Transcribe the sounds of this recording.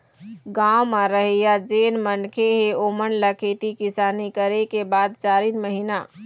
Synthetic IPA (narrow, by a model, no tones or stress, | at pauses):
ɡãwmaɾəɦijad͡ʒenmənkʰeɦeomənləkʰet̪ikisaːnikəɾekebad̪̚t͡ʃaːɾinməɦina